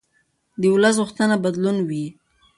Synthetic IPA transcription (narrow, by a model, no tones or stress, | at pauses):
d̪əwləs̬ɣʊxt̪ənabad̪lunwi